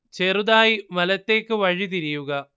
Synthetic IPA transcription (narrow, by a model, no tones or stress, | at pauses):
t͡ɕeruðaːjimɐlɐt̪ːe̞ːkːɨʋɐɻit̪̬iɾijuɣɐ